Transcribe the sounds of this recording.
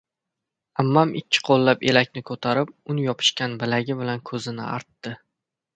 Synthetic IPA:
amːamʔɪ̰kʲʰːɪ̥qʰolˠːapelakʲnɪkʰɵt̪ʰaɾɪp̚ʊnɪjɒpʰɪ̥ʃkʲanbɪlaɡʲɪbɪlankʰɵzɪnɪ̰a̰ɾt̪ːɪ

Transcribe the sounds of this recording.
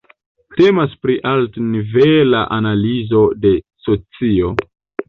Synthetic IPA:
te̞maspɾiʔaltnivela̰ʔanalizo̞de̞ | so̞t͡sio̞

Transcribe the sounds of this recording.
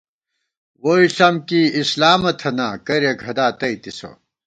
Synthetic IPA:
woiɬɐmkiislaːmɐt̪ʰɐnaːkɐɾjɐɡʱɐd̪aːt̪ɐit̪iso̰

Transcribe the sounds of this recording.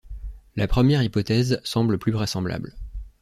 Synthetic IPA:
lapχəmjɛʁipɔt̪ɛzsɑ̃bləplyvʁɛsɑ̃bla̰bl

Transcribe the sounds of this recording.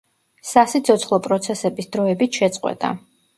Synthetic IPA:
sasit̪sʰɔt̪sʰχlˠɔpʼɾɔt̪sʰɛsɛbisd̪ɾɔɛbit̪ʰʃɛt̪sʼqʼwɛ̰t̪ʼa̰

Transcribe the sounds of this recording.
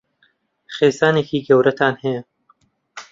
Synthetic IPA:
χeːzaːneːkiːɡɐwɾɐt̪ʰaːnhɐjɐ

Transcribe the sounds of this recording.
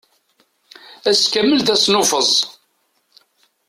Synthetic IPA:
æskæmːəlθæsnʊfəzˤ

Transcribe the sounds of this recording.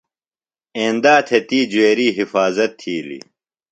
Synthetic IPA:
ẽːnd̪aːt̪ʰet̪iːd͡ʑueːɾiːɦifaːzɐt̪ʰːiːlḭ

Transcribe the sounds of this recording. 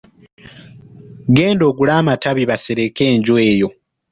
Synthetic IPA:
ɡeːndo̞ːɡulaːmataβiβaseɾeke̞ːɲɟwe̞ːjo̞

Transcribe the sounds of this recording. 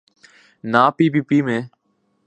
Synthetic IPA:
naːpiːpiːpiːmẽː

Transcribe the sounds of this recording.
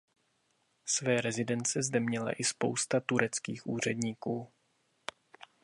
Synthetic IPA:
svɛːɾɛzɪdɛnt͡sɛzdɛmɲɛla̰ʔɪspo̞̰wst̪at̪uɾɛt͡skiːxʔuːr̝ɛdɲiːkuː

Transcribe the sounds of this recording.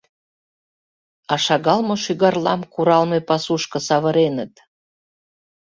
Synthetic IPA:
ɑʃɑɣɑlmoʃyɣɑrlɑmkuɾɑlmepɑsuʃkɤ̆sɑβəɾenət̪

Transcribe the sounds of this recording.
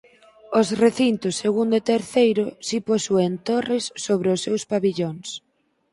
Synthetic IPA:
osreθint̪ʊsːeɣund̪et̪eɾθejɾʊsiposuent̪orɪsːoβɾɪʊsːewspaβiʎoŋs

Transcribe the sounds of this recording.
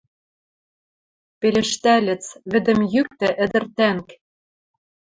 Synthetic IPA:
pelɘ̆ʃt̪ælʲɘ̆t͡sβɘ̆d̪ɘ̆mjyk̚t̪ɘ̆ʔɘ̆d̪ɘ̆rt̪æŋk

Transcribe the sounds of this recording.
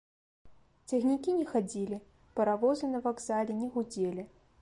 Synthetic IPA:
t͡sʲɐɣnʲikʲinʲɛxad͡zʲilʲi | pɐɾavɔzɨnɐvaɡzalʲɛnʲɛɣud͡zʲelʲi

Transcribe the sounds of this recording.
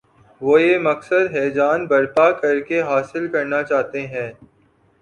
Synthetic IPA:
ʋoːjemɐksəd̪ɦɛːd͡ʒaːnbɐɾpakɐɾkeɦaːsɪlkɐɾnat͡ʃaːt̪eɦɛ̃ː

